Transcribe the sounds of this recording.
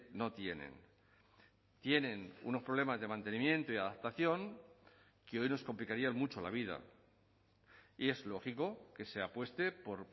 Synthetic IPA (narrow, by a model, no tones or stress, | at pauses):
no̞t̪je̞nḛ̃n | t̪je̞ne̞nṵno̞spɾo̞βle̞mazðe̞mãnt̪e̞nĩmje̞nt̪oiaðap̚t̪aθjo̞ŋ | keo̞jno̞sko̞mplikaɾianmut͡ʃola̰β̞iða̰ | ie̞zlo̞xiko̞ke̞se̞apwe̞st̪e̞po̞ɾ